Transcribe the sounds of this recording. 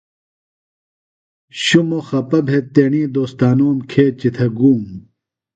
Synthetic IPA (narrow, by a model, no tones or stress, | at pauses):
ɕumoxɐpɐbʱet̪ːeːɳĩːd̪oːst̪aːnoːmkʰeːt͡ɕit̪ʰɐɡuːm